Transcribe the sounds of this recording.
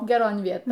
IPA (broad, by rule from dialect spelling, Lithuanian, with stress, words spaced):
ɡʲɛˈroːn ˈʋʲiɛtoːn